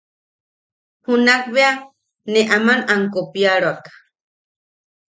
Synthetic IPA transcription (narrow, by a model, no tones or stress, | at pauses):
hunakbea | neʔamanaŋkopjaɺoakḁ